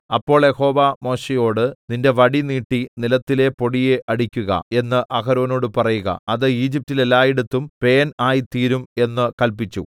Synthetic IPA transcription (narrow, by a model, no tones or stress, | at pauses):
ɐpːo̞ːɭjeho̞ːʋamo̞ːɕejo̞ːɽɨninde̞ʋɐɽiniːʈːinilɐt̪ːile̞po̞ɽijeʔɐɽikʲːuɣɐ̰e̞nːɨʔɐkɐɾo̞ːno̞ːɽɨpɐrɐjuɣɐ̰ɐðɨiːd͡ʑip̚tːilelːaːjiɽut̪ːumpe̞ːnaːjit̪iːɾume̞nːɨkɐlpit͡ɕːṵ